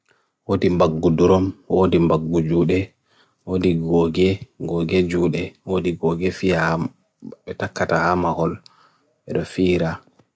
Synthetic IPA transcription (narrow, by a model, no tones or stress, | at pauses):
wodimbaɡːuduɾɔmwodimbaɡːud͡ʒuːɗɛ | wodiɡɔɡɛɡɔɡɛd͡ʒuːɗɛwodiɡɔɡɛfia | ɓɛtakːatahamahɔl | ɓɛɗɔfiːɾa